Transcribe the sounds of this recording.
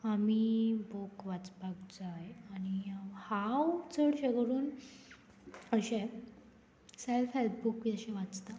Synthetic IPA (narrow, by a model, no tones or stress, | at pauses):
amibokʋat͡spakd͡zajaɽ̃ihawt͡səɽɕeɡəɾuːn | əɕẽ | selfelbukʋiəɕẽʋat͡st̪a